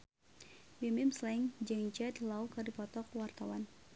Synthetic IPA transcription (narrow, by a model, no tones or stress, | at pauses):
bɛmɪmslɛŋd͡ʒɛŋt͡ʃɛt̪lawkardipɔt̪ɔkwart̪awan